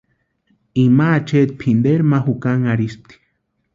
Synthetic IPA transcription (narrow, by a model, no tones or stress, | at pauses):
imaːt͡ʃet̪̚pʰind̪eɾmaɦukaŋaɾispt̪i̥